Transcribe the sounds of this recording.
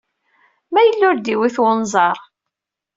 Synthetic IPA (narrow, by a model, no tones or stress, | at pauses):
mæjəlːʊɾd̪iwiθwʊnzˤɑɾˤ